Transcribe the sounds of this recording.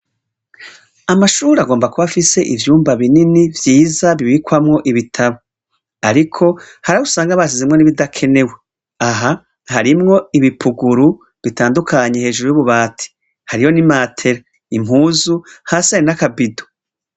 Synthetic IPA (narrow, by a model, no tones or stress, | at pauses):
amaʃuːɾaɡo̞ːmbakuβafise̞ʔivjuːmbaβininivjiːzaβiβikwamŋo̞ʔiβitʰaβo | aɾikʰo̞ | haɾausaːŋɡaβas̬izimŋe̞niβidakʰe̞ne̞we | aɦa | haɾimŋo̞iβipʰuɡuɾu | βitaːndukʰaɲe̞he̞ːʒuɾujuβuβaːtʰi̥ | haɾijo̞nimaːtʰe̞ɾa | im̥huːzuhasaɾinakabido